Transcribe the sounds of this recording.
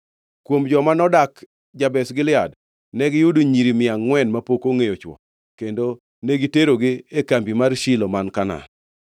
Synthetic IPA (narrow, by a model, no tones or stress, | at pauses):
kwomd͡ʒɔmanɔdak | d͡ʒabɛsɡɪlɪad | nɛɡɪjuduɲiɾimɪaŋːwɛnmapokoŋejot͡ʃwɔ̰ | kendo | neɡiteɾoɡɪekambimarʃilomankana̰n